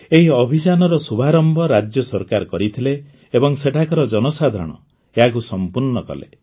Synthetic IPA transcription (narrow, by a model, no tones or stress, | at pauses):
eɦiɔbʱid͡ʒanɔɾɔsubʱaɾɔmbʱɔɾad͡ʒjɔsɔɾkaɾkɔɾit̪ʰileː | bɔŋseʈʰakɔɾɔd͡ʒɔnɔsad̪ʱɔ̰ɽ̃ɔ̰ | eɦak̬usɔmpuɾɳɔkɔ̰lḛ